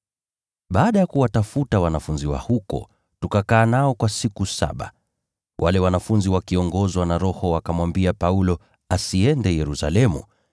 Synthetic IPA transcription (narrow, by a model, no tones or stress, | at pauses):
ɓaːɗajakuwatafutawanafunziwa̰hukɔ̰ | tukakaːnaɔkwasikusa̰ɓa̰ | wʔalɛwanafunziwakiɔŋɡɔzwanaɾɔhɔwakamwambiapaulɔ | asiɛndɛjɛɾusa̰lɛmṵ